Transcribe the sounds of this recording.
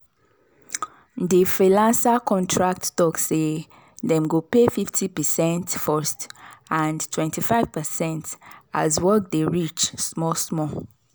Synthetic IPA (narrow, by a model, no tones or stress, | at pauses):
difɹilãnsakʰɔ̃ntʰɹak̚ttɔksːe | dɛ̃mɡopefiftʰipəsɛ̃ntfɔstãntʰwɛ̃ntʰifaɪv̥pəsɛ̃nta̰zwɔk̚deɹit͡ʃsmɔsmɔ